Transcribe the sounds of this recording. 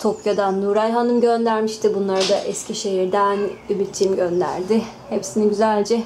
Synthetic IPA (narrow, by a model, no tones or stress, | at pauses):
t̪ʰo̞pjad̪anːuɾajɦanɯmɟø̞nd̪æɾmiʃt̪ʰɪbunlˠaɾad̪aʔɛscʰʲiʃe̞ɦiɾd̪ænybit̪t͡ʃːʰimɟø̞nd̪æ̰ɾd̪ɪ | hepsiniɟyzælʲd͡ʒɛ